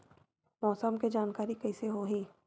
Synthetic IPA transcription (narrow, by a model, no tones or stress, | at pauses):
mɔːsəmked͡ʒaːnkaːɾikɛɪseɦoɦiː